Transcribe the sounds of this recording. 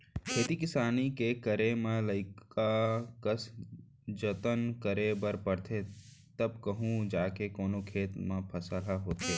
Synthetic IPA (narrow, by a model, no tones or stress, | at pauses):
kʰeːt̪ikɪsaːnikekəɾemẽləɪkakəs | d͡ʒət̪ənkəɾebəɾpəɾt̪ʰe | t̪ɐb̚kəɦũd͡ʒaːkekoːnokʰeːt̪mãpʰɐsəlaɦoːt̪eː